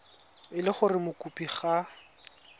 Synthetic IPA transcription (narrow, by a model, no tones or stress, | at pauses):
ɪlɪχʊrɪmʊkʼupʼiχa